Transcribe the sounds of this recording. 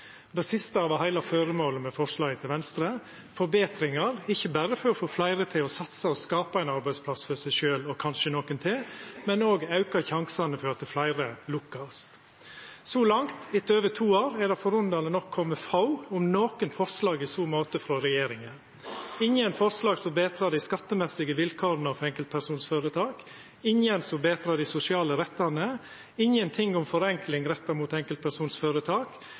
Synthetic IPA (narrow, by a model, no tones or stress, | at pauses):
d̪ɛsɪst̪əɑːʋɑhæɪlɑføɾəmoːləmɛfɔɾʂlɑːɡət̪ʰɪlʋɛnst̪ɾə | fɔɾbeːt̪ɾɪŋɑɾɪçːəbæɾəfɔɾɔfoːflæɪɾət̪ʰɪlɔsɑt̪səɔskɑːpɑæɪnɑɾbæɪspʰlɑsfœsæɪʃøːlɔkʰɑnʃənoːkənt̪ʰɛmɛnoːɡɑʉkɑçɑŋsɑnəfɔɾɑt̪̚d̪ɛflæɪɾəlʊkːɑst̪ | sɔlɑŋt̪ɪt̪əøːʋət̪ʰuːoːɾɛd̪ɛfɔɾʉnd̪ɑːlənɔkʰːɔmːəfɑʊʊmnoːkənfɔɾslɑːɡɪsuːmoːt̪əfɾɔɾɛjeːɾɪŋən | ɪɲənfɔɾslɑːɡsɔbeːt̪ʰɾɑːd̪ɪskɑt̪ːəmɛsɪɡəʋɪlkʰoːɾənɑfɛŋkəlt̪̚pʰæɾsuːnsføːɾət̪ʰɑːk | ɪŋənsɔbeːt̪ʰɾɑːd̪ɪsʊsɪɑːləɾɛt̪ːɑnə | ɪɲənt̪ʰɪŋʊmfɔɾɛŋklɪŋɾɛt̪ːɑɾmuːt̪ɛŋkəlt̪̚pʰæɾsuːnsføːɾət̪ʰɑːk